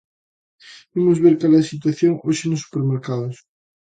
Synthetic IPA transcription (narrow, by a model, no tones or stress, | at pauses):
imʊzβeɾkaleɐsit̪waθjoŋoʃenʊsːu̥peɾmeɾkaðʊs